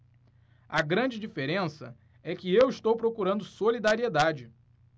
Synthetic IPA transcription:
ɐɡɾɐ̃d͡ʒɪd͡ʒifeɾẽsɐ̰ | ɛkɪewiʃt̪owpɾokuɾɐ̃nd̪ʊsolid̪aɾied̪ad͡ʒɪ

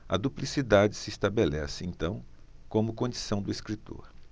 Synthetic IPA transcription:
ɐ̰d̪uplisid̪ad͡ʒɪsɪːst̪abelɛsɪẽnt̪ɐ̃w̃ | kõmʊkõd͡ʒisɐ̃w̃d̪ʊeskɾit̪o̰ɾ

